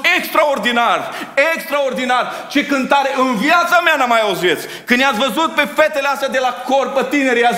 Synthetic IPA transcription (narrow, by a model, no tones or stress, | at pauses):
ekst̪ɾao̞rd̪inarekst̪ɾaord̪inar | t͡ʃe̞kɨnt̪aɾeʔɨnvjat̪sameanamajauzet̪s | kɨnjat̪svəzut̪̚pe̞fet̪eleast̪jad̪elakorpət̪ine̞ɾea